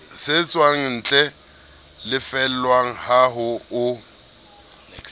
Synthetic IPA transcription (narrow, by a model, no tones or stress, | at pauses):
sɪt͡sʼwaŋ̩n̩t͡ɬʼɛ | lɪfɛl̩lwaŋ̩haɦʊʊ